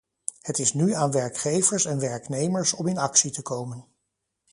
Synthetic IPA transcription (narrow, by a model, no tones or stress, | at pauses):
hətɪsnyaːnʋɛɹkχejvəɹsɛnʋɛɹknejməɹsɔmɪnɑksitəkowmən